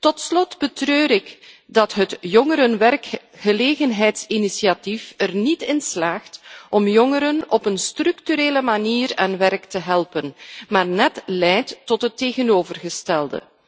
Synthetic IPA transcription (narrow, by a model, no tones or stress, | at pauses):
tɔtslɔtbətrøːɾɪk | dɑtɦətjɔŋəɾənʋɛrk | xəleːɣənɦɛjtsinisiatifərnitɪnslaːχtɔmjɔŋəɾənɔpənstrʏktyɾeːləmaniːɾɛnʋɛrktəɦɛlˠpənmaːrnɛtlɛjtːɔtɦətːeːɣənoːvərɣəstɛlˠdə̰